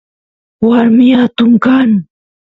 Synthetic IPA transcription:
waɾmɪjat̪ʊmkaŋ

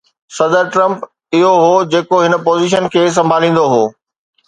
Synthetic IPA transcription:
sɐd̪əɾʈɾɐ̃mp | ɪɦoɦoːd͡ʑeːkoɦɪnə̆poːziːʃ̬ənkʰeːs̬ɐ̃mbʱaːlĩːn̆d̪oɦoː

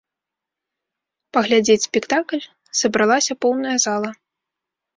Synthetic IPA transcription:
pɐɣlʲad͡zʲet͡sʲsʲpʲɛkt̪aklʲ | sɐbɾalˠasʲɐpɔwnɐjɐzalˠɐ

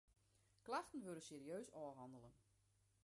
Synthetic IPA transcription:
klaxtən̩ʋøɾəseːriøːsɔːɦɑndəlˠən

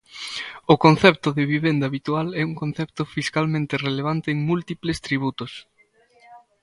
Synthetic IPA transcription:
ʊkon̟θɛp̚t̪ʊðɪβiβend̪aːβit̪ualɛuŋkõn̟θɛp̚t̪ʊfiskalmẽnt̪ɪreleβ̞ant̪ɪːŋmult̪iplest̪ɾiβ̞ut̪ʊs

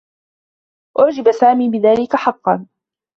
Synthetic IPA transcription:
ʔʊʕd͡ʒɪbasaːmiːbɪðaːlɪkaħɑqːɑn

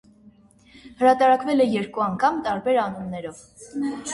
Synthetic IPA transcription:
həɾɑt̪ɑɾɑkvɛlɛjɛɾkuɑŋkʰɑmt̪ɑɾbɛɾɑnunːɛɾɔv

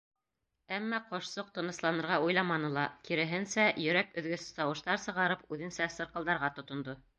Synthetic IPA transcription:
æmːæqŏʃsoq̚t̪ŏnɤ̆slˠɑnɤ̆ɾʁɑujlˠɑmɑnɤlˠɑkiɾɘ̆ɦɘ̆nsæjɵ̆ɾækɵ̆ðɡɵθt̪ɑwɤ̆ʃt̪ɑɾsɤ̆ʁɑɾɤpʉðɘ̆nsæsɤ̆ɾqɤld̪ɑɾʁɑt̪ŏt̪ŏnd̪o

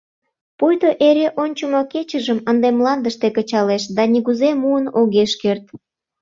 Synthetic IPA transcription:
pujt̪oʔeɾeʔonʲt͡ɕumoket͡ɕəʒəmənd̪emlɑnd̪əʃt̪ekət͡ɕɑleʃd̪ɑniɣuzemuənoɣeʃkert̪

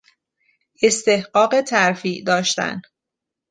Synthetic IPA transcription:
ʔe̞st̪e̞hɢɒːɢe̞t̪ʰæɾfiːʔd̪ɒːʃt̪æ̰n

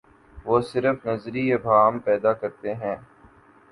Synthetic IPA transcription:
ʋoːsɪɾəfnɐzɾiebʱaːmpɛːd̪akɐɾt̪eɦɛ̃ː

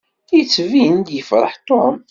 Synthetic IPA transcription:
jət͡sːviənd̪jəfɾˤə̰ħt̪ˤːom

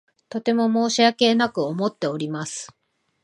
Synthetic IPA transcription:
t̪o̞t̪e̞mo̞mo̞ːɕiake̞nakɯ̟omo̞t̪ːe̞o̞ɾʲimasɨ̥

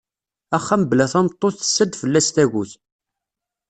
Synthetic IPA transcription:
æχːæməblæθæmt̪ˤːoθθə̥sːəd̪fəlːæst̪æʝuθ

